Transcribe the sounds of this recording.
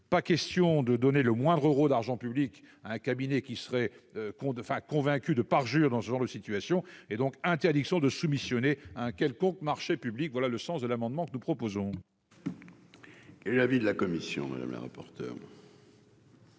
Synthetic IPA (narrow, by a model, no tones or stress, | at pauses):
pakɛst̪jɔ̃d̪əd̪ɔneləmwɛ̃d̪ʁəʁold̪aʁʒɑ̃pyblik | aɛ̃kabinɛkʲisəʁɛøkɔ̃fɛ̃kɔ̃vɛ̃kʲyd̪əpaʁʒyːʁd̪ɑ̃səʒɑ̃ʁd̪əsit̪ɥasjɔ̃ed̪ɔ̃kɛ̃t̪ɛʁd̪iksjɔ̃d̪əsumisjɔneaɛ̃kʲɛlkɔ̃kmaʁʃepyblikvwalaləsɑ̃sd̪əlamɑ̃d̪mɑ̃kənupχɔpozɔ̃ | kɛlɛlavid̪əlakɔmisjɔ̰̃ma̰d̪a̰mla̰ʁa̰pɔʁt̪œ̰ːʁ